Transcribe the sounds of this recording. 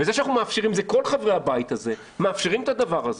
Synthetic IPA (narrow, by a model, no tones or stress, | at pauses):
vezeʃanaχnumeafʃeʁimzeko̞lχavʁehabajit̪aze̞ | meafʃeʁimet̪ad̪avaʁaze